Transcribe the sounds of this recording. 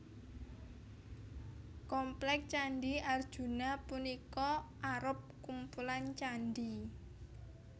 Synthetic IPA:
kɔmplɛk̚t͡ʃanɖiard̥ʒ̥ṳnapunikɔʔaɾʊp̚kumpulant͡ʃanɖi

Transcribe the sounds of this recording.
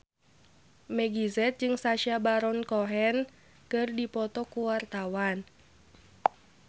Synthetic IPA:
mɛɡizɛt̪̚d͡ʒɨŋsaʃiabaɾɔnkɔɦɛn | kɨrdipɔt̪ɔkuwart̪awan

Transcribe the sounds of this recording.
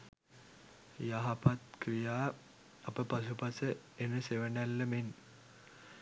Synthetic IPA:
jaɦɐpɐt̪kɾijaː | ɐpɐpɐs̬upɐsə | enəseʋɐnɐlːɐmen

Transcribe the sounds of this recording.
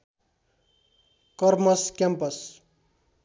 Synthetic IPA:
kʌrmʌskʲjampʌs

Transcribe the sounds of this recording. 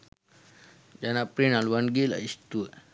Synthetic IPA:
d͡ʒanapɾinalwanɡila̰ist̪u

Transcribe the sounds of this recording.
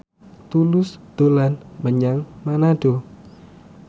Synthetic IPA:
t̪ulʊsd̪̥olanməɲaŋmanaɖ̥o

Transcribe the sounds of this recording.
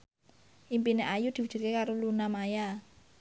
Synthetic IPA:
ʔimpineʔajud̪̥i̤wud̥ʒ̥i̤rkekaɾolunamaja

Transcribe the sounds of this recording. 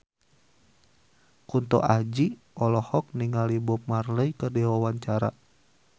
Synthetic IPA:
kunt̪ɔ̰ʔahd͡ʒi | ɔlɔhɔk̚niŋalibɔp̚marləikərdiwawaɲt͡ʃaɾa̰

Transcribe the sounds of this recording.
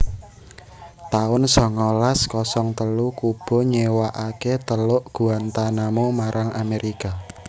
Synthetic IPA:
t̪aʊnsɔŋɔlaskɔsɔŋt̪əlukub̥ɔ̤ɲewaʔaket̪əlʊʔɡ̥uant̪anamomaɾʔaŋʔameɾika

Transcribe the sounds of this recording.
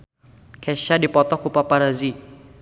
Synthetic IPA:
kɛʃadipɔt̪ɔhkupapaɾazi

